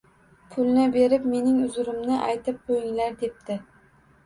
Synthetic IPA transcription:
pʰʊlˠnɪbe̞ɾɪpme̞nɪŋʊzʊɾɪmnɪʔa̰jt̪ʰɪp̚qʰojɪŋlaɾd̪e̞p̚t̪ɪ

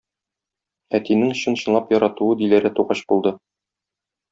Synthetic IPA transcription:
æt̪inɘŋɕɤ̆nɕɤ̆nlˠɑpjɒɾɑt̪uɤd̪ilæɾɘt̪uʁɑɕbulˠd̪ɤ

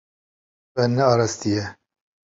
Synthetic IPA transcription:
ɛnɛɑːɾɑst̪ijɛ

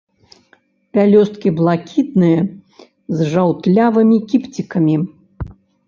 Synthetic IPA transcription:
pʲalʲɔst̪̚kʲiblˠakʲit̪nɨjɐ | zʐawt̪lʲavɨmʲikʲipt͡sʲikɐmʲi

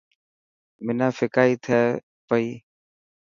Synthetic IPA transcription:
mɪnãːfɪkaːiːt̪ʰɛː | pəiː

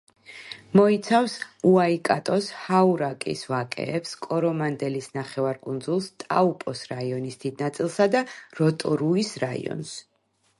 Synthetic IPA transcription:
mɔit̪sʰafsuaikʼat̪ʼɔshauɾakʼḭsvakʼɛ̰ɛpskʼɔɾɔmand̪ɛlisnaχɛvaɾkʼund̪zulˠst̪ʼaupʼɔsɾaiɔnisd̪̥id̪̚nat̪sʼilˠsad̪aɾɔt̪ʼɔɾuisɾaḭɔ̰ns

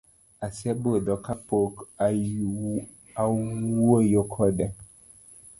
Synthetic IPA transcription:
asiɛbodɔkapok | auojokʰɔdɛ

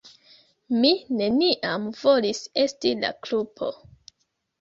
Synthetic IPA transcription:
mine̞niʔamvo̞lise̞stila̰klupʰo̞̰

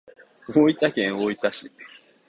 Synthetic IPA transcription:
moit̪akẽ̞ɰ̃oit̪aɕi

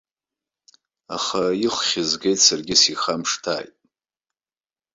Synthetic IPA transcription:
a̰χaiχʷχʲɪzɡʲejtʼsarɡʲɪsiχamʂtʰa̰ːjtʼ

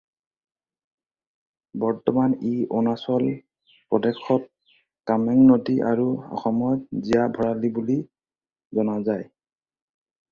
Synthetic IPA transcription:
bɔɹtɔmaniʔɔnasɔl | pɹɔdɛkʰːɔt̚ | kamɛŋnodiʔaɹuɔ̰xɔmɔt̚zijabʱɔɹalibuli | zɔnazaj

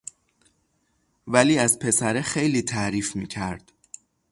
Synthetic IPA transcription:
væliːæzpʰe̞sæɾexe̞jliːt̪ʰæɾiːfmiːcʰæɾd̪̥

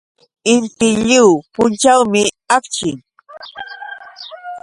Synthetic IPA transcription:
ɪnt̪ɪʎɪwpʊnt͡ʃawmɪ | akt͡ʃɪŋ

